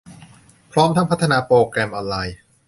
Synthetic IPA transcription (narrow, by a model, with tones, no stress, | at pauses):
pʰɾɔː˦˥mt̪ʰa˦˥˩pa˦˥t̪ʰːa˧naː˧pɾoː˧kɾɛ˧mʔɔː˧nlaː˧j